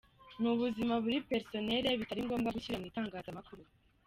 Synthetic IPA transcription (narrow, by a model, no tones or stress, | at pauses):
nuβuzimaβuɾipe̞ɾso̞ne̞ɾeβitaɾiŋɡo̞ːmɡaɡuçiɾamŋiːtaːŋɡaːzamakuɾu